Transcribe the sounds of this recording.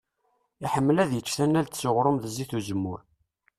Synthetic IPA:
iħəmːəlæðjət͡ʃːθænːælt̪sʊʁɾˤomðəziθuzəmːʊɾ

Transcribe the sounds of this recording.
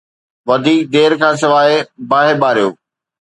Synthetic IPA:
ʋɐd̪ʱiːk̚d̪eːɾkʰãːs̬ɪʋaːebaːɦɪɓaːɾijo̰ː

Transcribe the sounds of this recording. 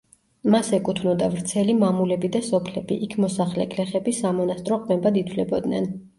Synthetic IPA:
masɛkʼut̪ʰvnɔd̪avɾt̪sʰɛlimamulɛbid̪asɔpʰlɛbḭʔikʰmɔsaχlɛkʼʰlɛχɛbisamɔnast̪ʼɾɔqʼmɛbad̪it̪ʰlɛbɔd̪nɛ̰n

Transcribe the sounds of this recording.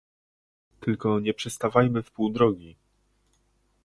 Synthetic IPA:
t̪ɘlkɔɲɛpʂɛst̪avajmɘfpuwd̪ɾɔɡʲi

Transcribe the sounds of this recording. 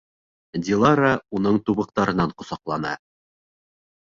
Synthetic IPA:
d̪ʲilˠaɾaun̪ɤɴt̪uβɤ̆q̚t̪ɑɾɤ̆nɑɴqŏsɑqlˠɑnɑ̰

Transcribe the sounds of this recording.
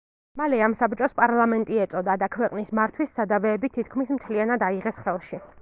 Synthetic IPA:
malɛamsapt͡ʃʼɔspʼaɾlˠamɛnt̪ʼiɛt̪sʼɔd̪ad̪akʰwɛqʼnismaɾt̪ʰwisːad̪avɛːbit̪ʰit̪̚ʰkʰmismt̪ʰlianad̪aiʁɛsχɛlˠʃi

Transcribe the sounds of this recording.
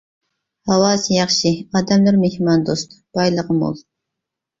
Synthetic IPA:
hɑwɑːsɨjɑχʃiɑːd̪ɛmlɨɾmehmɑnd̪ost̪b̥ɑjlˠəʁəmo̰lˠ

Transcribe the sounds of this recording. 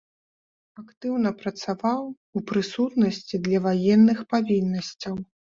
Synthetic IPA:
akt̪ɨwn̪ɐpɾɐt̪savaw | upɾɨsut̪nɐsʲt͡sʲid̪lʲɐvajɛnːɨxpavʲinːɐsʲt͡sʲɐw

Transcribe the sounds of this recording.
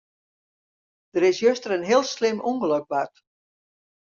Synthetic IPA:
d̥əɾɪsjøstərənɦɪəlˠslɪmʔuŋɡəløk̚bat

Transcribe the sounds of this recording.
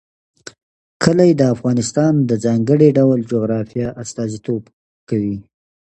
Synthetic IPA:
kʰəlajed̪əafɣɑnɪst̪ɑnd̪əzɑŋɡəɽiɖawld͡ʒoɣɾɑfijɑʔast̪ɑzit̪ob | kawi

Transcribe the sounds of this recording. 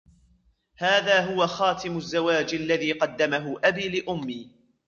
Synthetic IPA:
haːðaːɦʊwaxɑːt̪ɪmʊzːawaːd͡ʒʔalːaðiːqɑd̪ːamaɦʊʔabiːlɪʔʊmːiː

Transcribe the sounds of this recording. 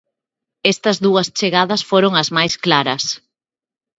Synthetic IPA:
ɛst̪ɐzðuɐst͡ʃeɣaðɐsfoɾoŋɐzmajsklaɾɐs

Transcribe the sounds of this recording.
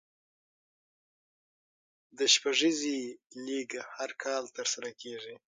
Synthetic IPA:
d̪əʃpaʐiziliɡhaɾkʰɑlt̪əɾsaɾakʰeʐi

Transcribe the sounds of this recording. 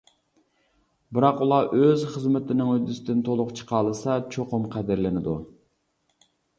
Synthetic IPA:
bɪɾɑqulˠɑʔøzχəzmɪt̪ʰɪnɪŋyd̪ːysɪd̪ɪnt̪ʰolˠʊqt͡ʃʰə̥qʰɑːlˠɨsɑt͡ʃʰoqʊmqʰæd̪ɪɾlɪnɪd̪u

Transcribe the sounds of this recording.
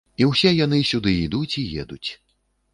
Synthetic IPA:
iwsʲɛjanɨsʲud̪ɨid̪ut͡sʲijɛ̰d̪ut͡sʲ

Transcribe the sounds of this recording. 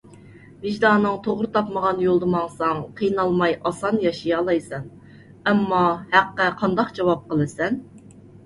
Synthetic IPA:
vɪʒd̪ɑːnːɨŋt̪ʰoʁɾɨt̪ʰɑpməʁɑnjolˠd̪ɨmɑŋsɑŋqʰijnɑlˠmɑjʔɑsɑnjɑʃijɑːlˠɑjsɛn | ɛmːɑhæqːæqʰɑnd̪ɑqd͡ʒɑwɑp̚qəlˠɨsɛn

